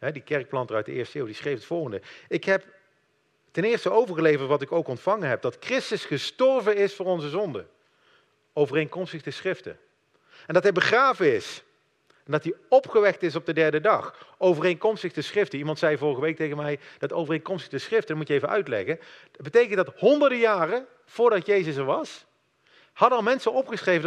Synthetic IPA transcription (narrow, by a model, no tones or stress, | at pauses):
ɦɛdikɛɹk̚plɑntərœɥt̚dəɪːɹstəɪːwdisχrejfətfɔlˠɣəndəɪkɦɛp | tɛnɪːɹstəowvəɹɣəlejvəɹtʋɑtɪkowkɔntfɑŋənɦɛp̚d̥ɑtkrɪstəsχəstɔɹvənɪsfʊːɹɔnzəzɔndə | owvərejŋkɔmstəɣdəsχrɪftə̰ | ɛndɑtɦɛjbəχraːvəɪs | ɛndɑtiɔpχəʋɛk̚tɪsɔb̚dədɛɹdədɑχowvərejŋkɔmstəɣdəsrɪftəimɑntsɛjvʊːrəɣəʋejk̚tejɣənmɛjd̥ɑtowvərejŋnkɔmstəɣdəsχrɪftədmutjəejvənʔœ̰ɥtlɛ̰ɣə | d̚bətejkəndɑthɔndəɹdəjaːrə | v̥ʊːɹdɑtjejzəsɛɹʋɑs | hɑdənɑlˠmɛnsənɔpχəsχrejvən